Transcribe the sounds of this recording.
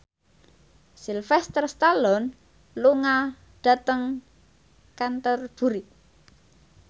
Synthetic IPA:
silfɛst̪ərst̪alɔn | luŋa | ɖ̥a̤t̪əŋ | kant̪ərb̥ṳɾi

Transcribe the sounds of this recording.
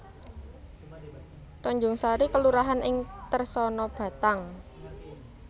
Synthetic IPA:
t̪ɔɲd͡ʒʊŋsaɾikəluɾaɦanʔɪŋt̪ərsɔnɔb̥a̤t̪aŋ

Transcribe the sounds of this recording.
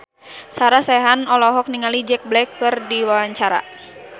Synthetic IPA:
saɾasɛɦanɔlɔɦɔk̚niŋalid͡ʒɛk̚blɛkːɨrdiwawaɲt͡ʃaɾa̰

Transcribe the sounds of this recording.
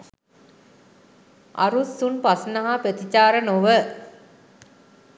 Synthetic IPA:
ʔa̰ɾusːunpasnəɦapət̪it͡ɕaːɾənoʋə

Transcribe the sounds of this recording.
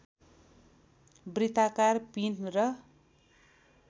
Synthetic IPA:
brit̪akarpinrʌ

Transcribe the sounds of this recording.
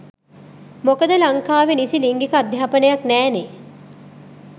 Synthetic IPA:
mokəd̪əlaŋkaːʋenisiliŋɡikəad̪ʱjaːpənəjaknæːne

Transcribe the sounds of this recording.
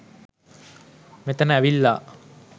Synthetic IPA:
met̪ənəæʋilːa

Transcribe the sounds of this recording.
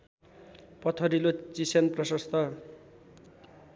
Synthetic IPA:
pʌt̪ʰʌɾilot͡sisenprʌsʌst̪ʰʌ

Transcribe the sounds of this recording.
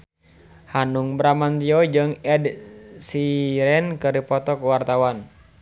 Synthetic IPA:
hanuŋbɾamant̪iɔd͡ʒɨŋɛdsiɾɛnkərdipɔt̪ɔkuwart̪awan

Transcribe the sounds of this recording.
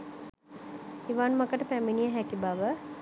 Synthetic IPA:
iʋaːnməkəʈəpæminijəɦækibaʋə

